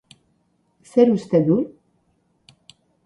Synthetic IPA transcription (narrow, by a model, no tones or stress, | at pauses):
seɾust̪eðul